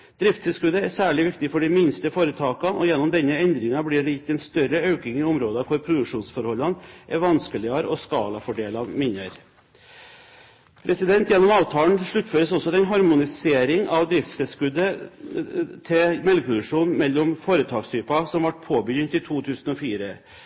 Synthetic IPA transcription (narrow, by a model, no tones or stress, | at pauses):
d̪ɾɪft̪sɛlskʉd̪əæsæːɭɪʋɪkt̪ɪfɔɖɪmɪnst̪əfoːɾət̪ʰɑːkɑʔɔ̰jɛnːɔmd̪ɛnːəɛnd̪ɾɪŋɑblɪɖjɪt̪ːɛnst̪œɾəɑʉkɪŋɪʊmɾoːd̪ɑkʰʊɾpʰɾʊd̪ʉkʂuːnsfɔɾhɔlːɑnʔɛʋɑnskəlɪɑɾɔskɑːlɑfɔɖeːlɑnmɪnːəɾ | pʰɾʔɛsɪd̪ɛnt̪jɛnːɔmɑːʋt̪ʰɑːlɳ̩ʂɭʉt̪ːføːɾəsɔsːɔɑt̪ɛnɦɑɾmʊnɪseːɾɪŋɑʋd̪ɾɪft̪sɛlskʉd̪ːə | t̪ʰɛmɛlɡəpʰɾʊd̪ʉʂuːnmɛlːɔmfoːɾət̪ʰɑːkst̪ʰyːpɑsɔmʋɑʈpʰoːbəjʏnt̪ɪt̪ʰuːt̪ʰʉːsn̩ɔfiːɾə